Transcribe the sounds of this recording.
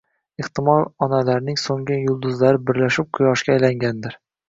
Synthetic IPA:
ɪχt̪ɪmɒlˠɒnalaɾnɪŋsoŋɪjʊlˠd̪ʊzlaɾɪbɪɾlaʃɪp̚qʰʊjɒʃkʲaːjlaŋɡʲand̪ɪɾ

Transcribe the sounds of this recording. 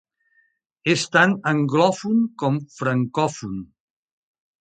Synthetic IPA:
est̪anəŋɡlɔfunkɔmfɾəŋkɔfun

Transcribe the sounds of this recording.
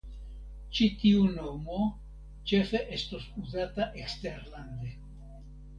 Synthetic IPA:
t͡ʃit̪iunomo | t͡ʃe̞fe̞ʔest̪osuzat̪aʔekst̪eɾland̪e

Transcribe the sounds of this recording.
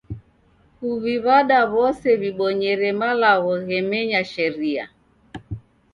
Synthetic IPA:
huβiβaɗaβɔsɛβiɓɔɲɛɾɛmalaɣɔɣɛmɛɲaʃɛɾia̰

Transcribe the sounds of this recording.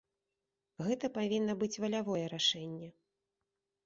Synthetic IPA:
ɣɛt̪ɐpavʲinːɐbɨt͡sʲvɐlʲavɔjɛɾaʂɛnʲːɛ

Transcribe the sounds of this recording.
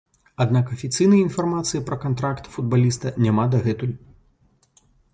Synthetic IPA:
ad̪nakɐfʲit̪sɨjnɐjɐinfarmat̪sɨjipɾɐkant̪ɾakt̪fud̪̚balʲist̪ɐnʲamad̪ɐɣɛt̪ulʲ

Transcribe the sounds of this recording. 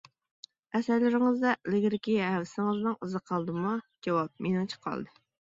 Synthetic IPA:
ɛsæɾlɪɾɪŋɨzd̪ɛlɪɡʲɪɾɪkʲiɦɛwsɪŋɨznɨŋəzɨqʰɑlˠd̪ɨmɑd͡ʒɑwɑp̚menɨŋt͡ʃʰə̥qʰɑ̰lˠd̪ɨ

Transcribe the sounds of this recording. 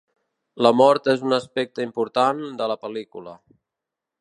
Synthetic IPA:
ləmɔɾt̪ezunəspɛk̚t̪əimpuɾt̪and̪ələpəlikulə

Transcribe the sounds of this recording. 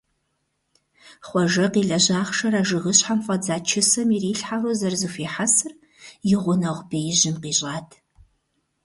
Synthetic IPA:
χʷɔʒɐqiːɮɐʑaːχʂɐɾaːʒɨʁɨɕħamfʼɐd͡zaːt͡ʃʰɪsɐmiriːɬħaroːzɐrzɨfiːħasɨr | jɪʁʷʊnɐʁʷbejɪʑɪmqiːɕʼaːtʰ

